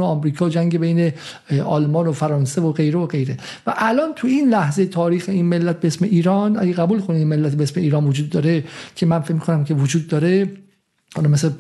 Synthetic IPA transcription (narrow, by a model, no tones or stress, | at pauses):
oɒmɾiːkʰɒːd͡ʒæŋɟebejne | ʔɒlmɒːnofæɾɒːnsevoɢe̞jɾevoɡe̞jɾe̞ | væʔælɒːnt̪ʰuinlæhzejet̪ʰɒːɾiːxeinme̞lːæt̪̚beesme̞ʔiːɾɒːnæ̰ɡeɣæbuːlkʰoneinme̞lːæt̪beesme̞iːɾɒːnvod͡ʒuːd̪ːɒːɾecʰe̞mænfecmikʰonæmkʰe̞vod͡ʒuːd̪ːɒːɾe | hɒlɒmese